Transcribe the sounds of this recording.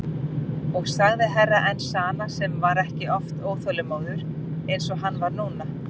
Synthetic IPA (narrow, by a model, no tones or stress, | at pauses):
ɔɣsaɣðɪɦɛrːaʔɛnsaːnasɛmvaɾɛhcɪʔɔft̪oːwθœlʏmoːwðʏɾ̥ | ejnsɔɣɦanːvaɾnuːna